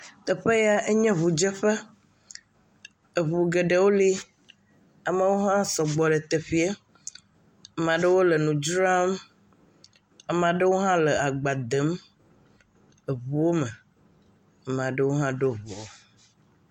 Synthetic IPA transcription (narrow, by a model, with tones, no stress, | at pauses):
t̪ɛ˨ɸe˦ja˦e˦ɲɛ̃˦βu˨d͡ʒɛ˦ɸɛ˦ | e˨βu˨ɡe˨ɖe˨wo˦li˦ | a˨me˦wo˦ɦã˦sɔ˨ɡ͡bɔ˨ɖe˨t̪e˨ɸi˨˦e˦ | a˨mã˨ɖə˦wo˦lə˨nũ˨d͡ʒɾa˦m | a˨m˨a˨ɖə˦wo˦ɦã˦lɛ˨a˨ɡ͡ba˨d̪e˨˦m | e˨βu˨wo˦mɛ˨ | a˨m˨ã˨ɖe˦wo˦ɦã˦ɖo˦vu˨o˦